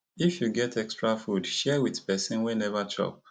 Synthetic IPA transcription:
ifjuɡɛtʰɛkstɹafudʃɛwiðpɛsĩnwɛnɛvat͡ʃʰɔ̰p̚

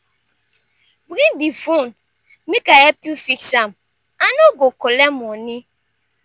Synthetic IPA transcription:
bɾidifun | mikaɛpjufiksam | anoɡokɔlɛmɔni

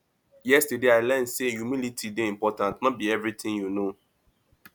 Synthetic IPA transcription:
jɛstudeaɪlɛnsejumilitʰideĩmpɔtãntnɔt̚biɛvɾit̪ʰɪ̃ŋjuno

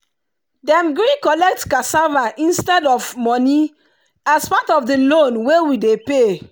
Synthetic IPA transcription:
dɛ̃mɡɹikɔlɛk̚tkasavaʔĩnstɛdɔvmɔni | aspatɔfdəlonwewidepe

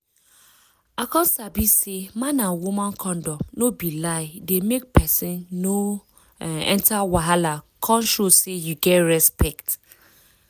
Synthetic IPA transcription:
akɔ̃nsabisemãnãnwumãnkʰɔ̃ndɔnobilaɪdemek̚pʰɛsĩnːo | ɛ̰̃ntawaɦalakʰɔ̃nʃosejuɡɛtɹɛspɛkt

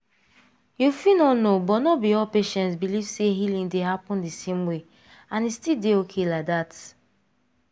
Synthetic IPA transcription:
jufinɔnobɔtnɔbiɔlpeʃɛ̃ntsbiliv̥seɦilĩŋdeɦapũndesẽmwe | ãnistildeokʰelak̚dat

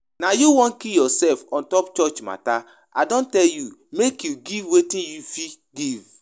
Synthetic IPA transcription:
najuwɔ̃nkijɔsɛlfɔ̃ntɔpt͡ʃɔt͡ʃma̰ta | ʔadõntɛljumekjuɡivwetĩnjufi | ɡiv

